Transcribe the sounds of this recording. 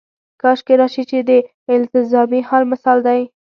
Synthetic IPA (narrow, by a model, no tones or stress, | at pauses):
kɑʃkeɾɑʃit͡ʃed̪ə | ɪlt̪ɪzɑmihalmɪsɑld̪aj